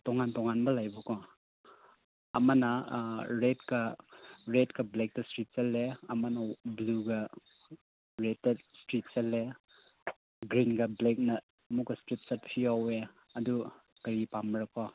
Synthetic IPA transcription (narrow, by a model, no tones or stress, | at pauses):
tɔŋantɔŋanbɐlajbukɔ | ɐmɐnɐɾetkɐɾetkɐblek̚tɐstɾit̚sɐlːeɐmɐnɐbluɡɐ | ɾetːɐstɾit̚sɐlːe | ɡɾinɡɐblek̚nɐː | mukːɐstɾit̚sɐt̚pʰiawe | ɐdu | kɐɾipambɾɐkɔ